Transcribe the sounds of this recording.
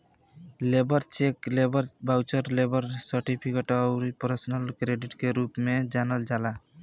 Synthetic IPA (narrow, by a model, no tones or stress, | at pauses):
lebəɾt͡ʃeklebəɾbawt͡ʃəɾlebəɾsəɾʈipʰikeʈəʊɾipəɾsnəlkɾeɖiʈkeɾupmed͡ʒanəld͡ʒala